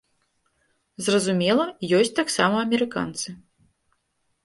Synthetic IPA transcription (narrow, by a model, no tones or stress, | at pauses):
zrɐzumʲɛlˠɐjɔsʲt͡sʲt̪aksamɐɐmʲɛɾɨka̰nt̪sɨ